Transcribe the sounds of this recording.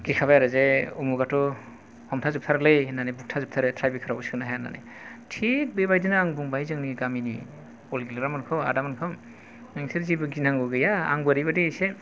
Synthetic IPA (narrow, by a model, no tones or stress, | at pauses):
ɡikʰaβajaɾɯzeɔmuɡatɔ | hɔmtʰazɯp̚tʰaɾlejnanebuk̚tʰazɯp̚tʰaɾɯtʰɾajbikʰaɾauskɯnaɦajana̰nḛ | tʰit̚bebajdinaːŋbuŋbajzɯŋniɡaminuj | ɔlɡilɯɾamankʰɔa̰damankʰaw | naŋsʰeɾzibɯɡinaŋɡɔɡɯjaa̰ŋbaɾibadise